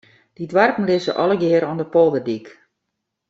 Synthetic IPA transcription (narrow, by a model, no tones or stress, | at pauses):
d̥idwarpn̩lɪsə̰ʔɔlˠəɡɪəɾɔndəpɔlˠdərdik